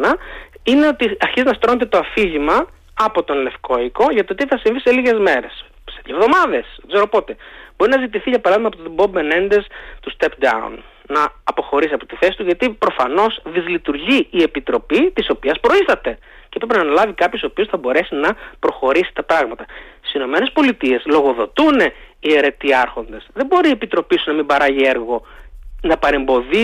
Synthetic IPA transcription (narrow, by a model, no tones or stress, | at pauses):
nɐine̞o̞t̪iɐɾçiziznɐst̪ɾo̞net̪et̪oɐfiʝimɐː | po̞t̪o̞nle̞fko̞iko̞ʝɐt̪ot̪iθɐsiɱviseliʝe̞zme̞ɾes | seðjovðo̞mɐðe̞seɡzeɾo̞po̞t̪e̞b̥o̞ɾinɐzit̪iθiʝɐpɐɾɐðimɐpot̪obo̞benend̪est̪ust̪epd̪ɐ̰ṵnː | nɐːpo̞xo̞ɾisiɐpot̪iθe̞si̥t̪uʝɐt̪ipɾo̞fɐno̞sðizlit̪uɾʝiːe̞pit̪ɾo̞pit̪iso̞piɐspɾo̞ist̪ɐt̪e̞ | cepɾepinɐːnɐlɐvikɐpçosopio̞sθɐbo̞ɾe̞sinɐpɾo̞xo̞ɾisi̥t̪ɐpɾɐɣmɐt̪ɐsi̥sino̞me̞nespo̞lit̪ie̞slo̞ɣo̞ðo̞t̪une̞ie̞ɾe̞t̪iɐɾxo̞nd̪e̞sðe̞mbo̞ɾiːe̞pit̪ɾo̞pisunɐmimbɐɾɐʝieɾɣo̞nɐpɐɾe̞mbo̞ði